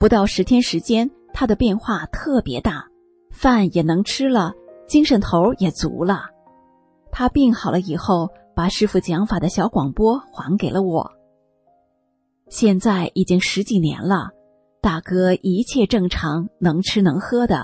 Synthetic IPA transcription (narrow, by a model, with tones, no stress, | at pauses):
pu˧˥t̪ɑ˥˩ʊʂɻ̩˧˥t̪ʰjɛ˥nʂɻ̩˧˥t͡ɕjɛ˥n | t̪ʰa˥d̪ə˨pjɛ˥˧nxwa˥˧t̪ʰɤ˥˩pjɛ˧˥t̪a˥˩ | fa˥˩njɛ˨˩nɤ˧˥ŋʈ͡ʂʰɻ̩˥lə˨t͡ɕi˥ŋʂə˧˥nt̪ʰo˧˥ʊjɛ˨˩t͡sṵ˧˥lə˧ | t̪ʰa˥pi˥˩ŋxɑ˨˩ʊlə˦i˨˩xo˥˩ʊ | pa˨˩ʂɻ̩˥˧fu˥˩t͡ɕjɑ˧˥ŋfa˨˩d̪ə˦ɕjɑ˧˥ʊkwɑ˨˩ŋpwɔ˥xwa˧˥nke˨˩ɪlə˦wɔ̰˨˩˦ | ɕjɛ˥˧nt͡sa˥˩ɪʔi˨˩t͡ɕi˥ŋʂɻ̩˧˥t͡ɕi˨˩njɛ̰˧˥nlə̰˧ | t̪a˥˩kɤ˥ʔi˧˥t͡ɕʰjɛ˥˧ʈ͡ʂɤ˥˩ŋʈ͡ʂʰɑ˧˥ŋnɤ˧˥ŋʈ͡ʂʰɻ̩˥nɤ˧˥ŋxɤ˥d̪ə̰˨˩